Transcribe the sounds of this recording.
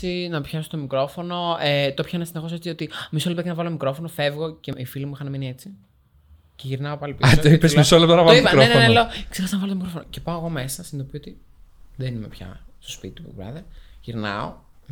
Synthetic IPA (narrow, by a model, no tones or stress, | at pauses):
inɐpçɐsot̪omikɾo̞fo̞no̞et̪opçɐinɐsinexo̞s̬et͡siot̪imisolept̪ɐcɐnɐvɐlomikɾo̞fo̞nofe̞vɣo̞ceifilimuixɐnɐminiet͡si | ce̞ʝiɾnɐopɐlipioesmisolept̪ɐnɐvɐloɾoenenelooksexɐsnɐvɐloomikɾofonoce̞pɐoɣo̞mesɐsind̪opiot̪i | ðenimepçɐ̰st̪ospḭt̪it̪upṵvɾɐ̰ðɐʝiɾnɐ̰o̰